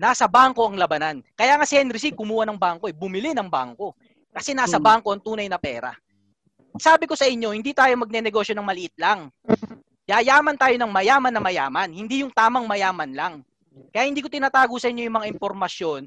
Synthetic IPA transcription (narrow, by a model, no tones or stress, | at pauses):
naːsɐbaŋko̞ɐŋlɐbɐnankɐjaːŋasɪhɛnɾɪs̬ikʊmuːhɐnɐŋbaŋko̞ʔɛbʊmɪlɪnɐŋbaŋko̞ | kɐsɛnaːsɐbaːŋko̞ɐŋt̪uːnɐjnɐpɛːɾɐ̰ | saːbɪko̞sɐʔɪɲːo̞hɪnd̪iːt̪aːjo̞mɐɡ̚nɛnɛɡo̞ʃjo̞nɐŋmɐlɪʔɪt̪̚laŋ | jaːjaːmɐnt̪aːjo̞nɐŋmɐjaːmɐnːɐmɐja̰ːmɐnhɪnd̪ijʊŋt̪aːmɐŋmɐjaːmɐnlaŋ | kɐjahɪnd̪iːko̞t̪ɪnaːt̪aːɡosɐʔɪɲːo̞jʊŋmɐŋaʔɪmpo̞ɾmɐsjo̞n